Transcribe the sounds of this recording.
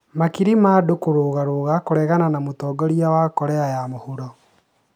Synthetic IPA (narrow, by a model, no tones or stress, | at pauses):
makiɾimaːdokoɾoɣaɾoɣakoɾɛɣananamotɔːɡɔɾiawakɔɾɛajamohuɾɔ